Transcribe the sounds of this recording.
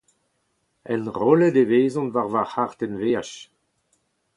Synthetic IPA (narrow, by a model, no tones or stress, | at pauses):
ɛnʁɔləd̪eveːzɔ̃nvaʁvaʁhaʁt̪ɛnveːaʃ